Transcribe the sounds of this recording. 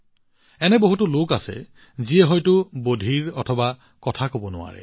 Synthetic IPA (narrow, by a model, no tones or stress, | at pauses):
ɛnɛboɦutʊlokasɛ̰ | ziɛɦɔjtʊbodʱiɹɔtʰɔba | kɔtʰakobɔnʊa̰ɹɛ̰